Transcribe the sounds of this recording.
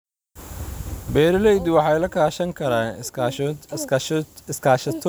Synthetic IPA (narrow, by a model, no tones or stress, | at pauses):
bɛːɾɪlɛjd̪wɑħɑjlɐkʰaːʃɐŋkʰɐɾaːn | sɪskʰaːʃɐt̪ʰ